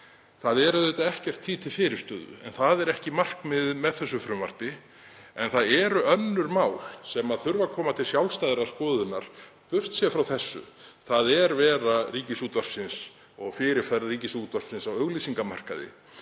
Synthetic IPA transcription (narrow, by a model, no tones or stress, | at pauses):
θaðɛɾʏðejt̪aɛhcɛr̥t̪ʰːiːt̪ʰɪlfɪːɾɪ̥st̪œːðʏ̰ɛ̰nθaðɛɾɛhcɪmar̥kmɪðmɛðθɛs̬ːʏfɾʏmva̰r̥t̪ɪ | ɛnθaðɛɾʏœnːʏɾmaːwl̥sɛmaðθʏɾvakʰɔːmat̪ʰɪlsjawlst̪ajðɾaskɔːðʏnːaɾ̥ | pʏr̥t̪sjɛfɾawθɛsːʏ̰θaðɛɾvɛːɾariːcɪsuːt̪var̥sɪns | ɔɣfɪɾɪɾ̥fɛɾriːcɪsut̪var̥ksɪnsawœɣlisiŋkama̰r̥ka̰ðɪ̰